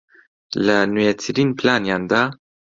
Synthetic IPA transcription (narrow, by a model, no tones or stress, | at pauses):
lɐnujɛt̪ʰɨɾiːnpʰlaːnjɑːnd̪a